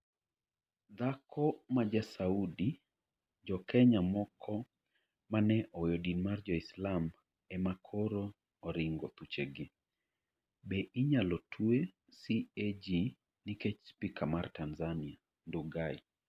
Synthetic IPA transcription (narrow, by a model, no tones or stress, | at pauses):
d̪akʰɔmad͡ʒasaudi | d͡ʒɔkɛɲamɔkʰɔ | manɛʔɔjɔdinmard͡ʒɔislam | ɛmakʰɔɾoː | ɾɪŋɡɔt̪ut͡ʃeɡe | bɛʔiɲalɔtʰue | sied͡ʒi | nikɛt͡ʃspikamartanzania | nduɡai